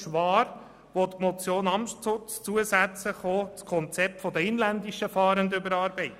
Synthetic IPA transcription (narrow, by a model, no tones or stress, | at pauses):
ʃʋɑːɾ | ʋot̪mɔt͡sjoːnɑmʃt͡sʊt͡st͡suəsæt͡səχoːt͡skʰɔnt͡sɛp̚t̪fɔd̪əɪnlænd̪iʃəfɑːɾənd̪ʏbəɾɑːɾbɛɪt